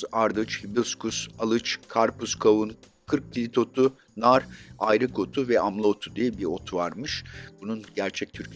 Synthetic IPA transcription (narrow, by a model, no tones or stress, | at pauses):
aɾd̪ɯt͡ʃhibilʲˠskusalˠɯt͡ʃkʰaɾpuskʰavun | kʰɯɾk̚cilʲit̪ʰo̞t̪ʰu | naɾajɾɯkʰo̞t̪ʰuvɛamlˠaot̪ʰud̪ijɛbiɾo̞t̪ʰuvaɾmɯʃb̥ununɟæɾt͡ʃʰɛc̚t̪ʰyɾ